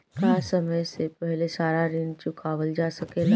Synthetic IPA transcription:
kaːsəməjsepəɦlesaːɾaɾint͡ʃukaːʋəld͡ʒasəkeːla

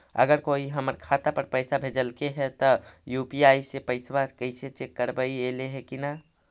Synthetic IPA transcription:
ə̰ɡəɾkoiɦəməɾkʰat̪apəɾpəɪsabʱed͡ʒəlkeɦɛt̪ɔjupiaːisepəɪswakəɪset͡ʃekːəɾbəieleɦɛkina

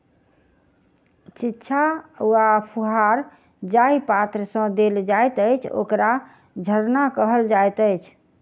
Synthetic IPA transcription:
t͡ʃitːʃʰauapʰuɦaɾ | d͡ʒaipat̪ɾəsə̃d̪eld͡ʒajt̪əjt͡ʃʰo̰kɾa | d͡ʒʱəɾnakəɦəld͡ʒajt̪ət͡ʃʰ

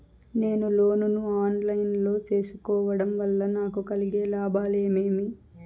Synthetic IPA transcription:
ne̞ːnulo̞ːnunuaːnlɐjnlo̞ːt͡ʃe̞ːsu̥kɔːʋɐɽɐmʋɐlːɐnaːkukɐliɡe̞ːlaːbaːle̞ːmeːmi

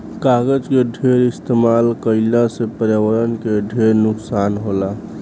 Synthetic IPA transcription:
kaɡəd͡ʒkeɖʱeɾɪst̪emaːlkəɪlasepəɾjawəɾənkeɖʱeɾnʊksaːnɦola

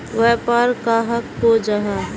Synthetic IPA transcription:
ʋɛɦpəɾkaːɦəkːod͡ʒaɦa

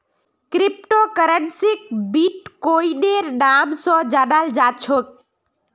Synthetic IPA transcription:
kɾip̚ʈokəɾənsik̚biʈkoiɗeɾnamsɔ̃d͡ʒaːnald͡ʒat͡ʃʰok̚

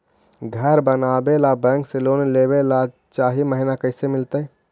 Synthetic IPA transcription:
ɡʱəɾbənaːbelabɛ̃ːŋkselonlebela | t͡ʃaːɦiməɦɪnakəɦɪsemɪlt̪ə

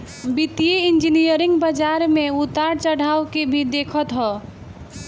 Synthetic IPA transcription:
bit̪ijeind͡ʒinijəɾĩŋɡbəd͡ʒaɾmẽut̪aɾt͡ʃəɽ̤awkebʱid̪ekʰət̪ɦɔ

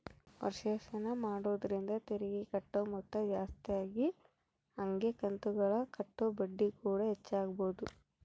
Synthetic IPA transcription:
ʋɐ̰ɾʂɐsɐnɐmaːɽoːd̪ɐɾind̪ɐt̪eɾiɡikɐʈːoːmɔt̪ːɐd͡ʒaːst̪ijaːɡi | ɐŋɡekɐnt̪uɡɐɭɐkɐʈːobɐɖːikuːɽɐɦɛt͡ʃːaːɡɐboːd̪u

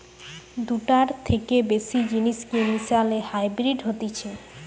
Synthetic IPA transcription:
d̪uʈaɾt̪ʰekebesid͡ʑiniʃkemisalehajbɾiɖɦot̪it͡ɕʰe

